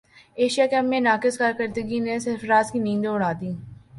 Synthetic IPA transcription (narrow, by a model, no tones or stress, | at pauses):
eːʃijaːkeɐmːẽnaːkɪskaːɾkəɾd̪əɡinesɪɾfɾaːzkinĩːnd̪õʊɽ̤aːd̪iː